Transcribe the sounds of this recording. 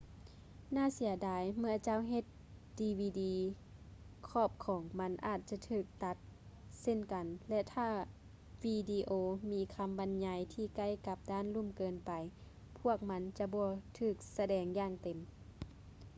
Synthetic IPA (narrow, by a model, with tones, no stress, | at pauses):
naː˧˥˨si˨˦ɐdaː˨˦jmɯ˧ɐt͡ɕa˧˨wɦe˧t̪̚ | diː˧wiː˧diː˧ | kʰɔː˧˩p̚kʰɔː˨˦ŋma˧˥nʔaː˧˩t̪̚t͡ɕa˧˦t̪ʰɯː˧˩k̚t̪a˧˦t̪̚se˧˥˨nka˨nlɛ˧t̪ʰaː˧˩ | wiː˧diː˧ʔoː˧miː˨˧˥kʰa˧˥mba˨nɲa˧jt̪ʰiː˧˩ka˧˥˨jka˧˦p̚daː˧˥˨nlu˧˥˨mkɤː˨npa˨j | pʰu˧˥˩ək̚ma˧˥nt͡ɕa˧bɔː˧˦t̪ʰɯː˧˩k̚sa˧dɛː˨˧ŋjaː˧˩ŋt̪e˨˩m